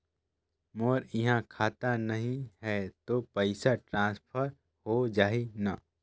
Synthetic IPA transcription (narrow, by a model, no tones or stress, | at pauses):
moːɾɪɦãkʰaːt̪anɐɦĩɦɛt̪opəɪsaʈɾãːspʰəɾ | hod͡ʒaːɦina